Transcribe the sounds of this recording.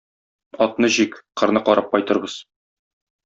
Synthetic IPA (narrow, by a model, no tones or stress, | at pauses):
ɒt̪̚nɤʑikqɤ̆ɾnɤqɒɾʔɑp̚qɒjt̪ɤ̆ɾbɤz̥